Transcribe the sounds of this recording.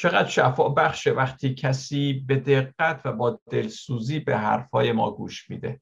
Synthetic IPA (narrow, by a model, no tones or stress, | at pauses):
t͡ʃʰe̞ɣæd̪̥ʃæfɒːʔbæχʃevæχt̪ʰiːcʰæsiːbe̞d̪e̞ɢːæt̪ʰvæbɒːd̪̥e̞lsuːziːbe̞ɦæ̰ɾfɒːje̞mɒ̰ːɡuːʃmḭːd̪e̞